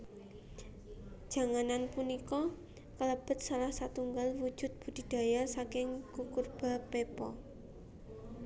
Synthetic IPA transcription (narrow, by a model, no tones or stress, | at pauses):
d̥ʒ̥a̤ŋananpunikɔ | kələb̥ə̤t̪̚salahsat̪uŋɡalwu̥d͡ʒʒ̥ʊ̤t̪̚b̥ṳd̪̥i̤d̪̥a̤jasakɪŋkukurb̥a̤pepɔ